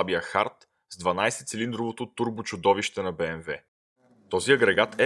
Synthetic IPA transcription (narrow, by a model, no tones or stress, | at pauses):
abiəxaɾt̪ | zd̪vɐnajsɛt̪sɛlind̪ɾovot̪ʊt̪uɾbʊt͡ʃʊd̪ɔviʃt̪ɛnɐbɛɛnvɛ | t̪ɔziɐɡɾɛɡat̪ʰɛ